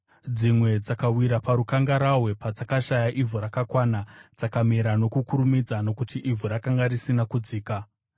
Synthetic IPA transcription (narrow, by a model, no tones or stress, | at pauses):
d͡zimwe̞d͡zakawiɾapaɾukaŋɡaɾawe̞pad͡zakaʃajaʔivʱuɾakakwanad͡zakamiɾano̞kukuɾumid͡zano̞kutiʔivuɾakaŋɡarisinakud͡ziːka